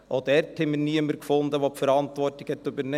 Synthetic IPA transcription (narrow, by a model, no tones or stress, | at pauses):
ʔod̪ɛrthɛməniəməɾkfʊnd̪əʋopfəɾɑntʋɔrtɪkhɛtɵbəɾne